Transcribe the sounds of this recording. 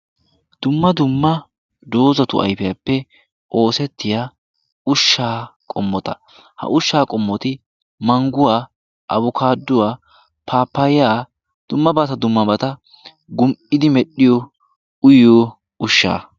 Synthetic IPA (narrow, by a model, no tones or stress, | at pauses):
d̪̥ʊmːɐd̪ʊmːɐ | d̪o̞ːzɐt̪ʊ̰ʔɐ̰jpɛjɐpːɛ | ʔo̞ːsɛt̪ːɪjaː | ʊʃːaːkʼɔmːɔt̪ɐ | hɐ̰ʔʊʃːaːkʼɔmːɔt̪ɪ | mɐŋɡʊwaː | ʔɐbʊkaːd̪ːʊwaː | pʰaːpːɐjɪjaː | d̪̥ʊmːɐbɐt̪ɐd̪ʊmːɐbɐt̪ɐ | ɡʊmʔɪd̪ɪmɛɗɪjɔ | ʊjo | ʊʃːa̰ː